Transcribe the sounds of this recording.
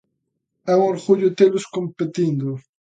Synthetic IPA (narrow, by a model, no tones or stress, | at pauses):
ɛuŋoɾɣuʎʊt̪elʊskompet̪ind̪ʊ